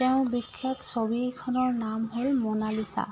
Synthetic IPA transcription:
teʊ̃bikʰːɔtsobikʰɔnɔɹnamɦolmɔnalisa̰

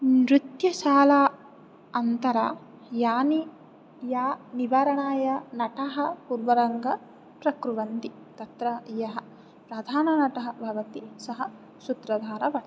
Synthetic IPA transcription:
nɾut̪jɐʃaːlaː | ɐnt̪ɐɾɐ̰ | jaːni | jaːniʋaːɾɐɳaːjɐnɐʈɐɦɐpuɾʋɐɾɐŋɡɐ | pɾɐkɾuʋɐnt̪i | t̪ɐt̪ɾɐjɐɦɐ̆ | pɾɐd̪ʱaːnɐnɐʈɐɦɐbʱɐʋɐt̪isɐɦɐ | sut̪ɾɐd̪ʱaːɾɐbɐ

